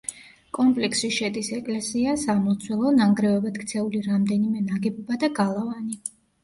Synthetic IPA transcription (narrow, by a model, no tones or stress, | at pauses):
kʼɔmpʼlɛksiʃɛd̪isɛkʼlɛsiasamɔt̪sʰwɛlˠɔnaŋɡɾɛɔbat̪kʰt̪sʰɛuliɾamd̪ɛnimɛnaɡɛbɔbad̪aɡalˠavani